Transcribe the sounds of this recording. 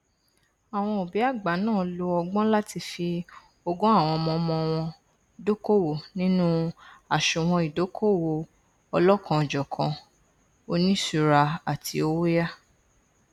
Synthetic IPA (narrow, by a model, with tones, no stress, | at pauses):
a˨w̃ɔ̃˧o˨bi˨˦a˦˨ɡ͡ba˨˦nãː˦˨lo˧ɔ˧ɡ͡bɔ̃˦la˦ti˧fi˧ | o˧ɡɔ̃˦a˦˨w̃ɔ̃˧ɔ˧mɔ̃˧mɔ̃˧w̃ɔ̃˧ | i˨do˦ko˦˨wo˨nĩ˦nũ˦a˨ʃo˨w̃ɔ̃˧i˨do˨˦kʰo˦˨wo˨ | ɔ˧lɔ˦kʰã˧˨d͡ʒɔ˨kʰã˧ | o˧nĩ˦su˦˧ɾa˧a˨tʰi˧o˧wo˦ja˦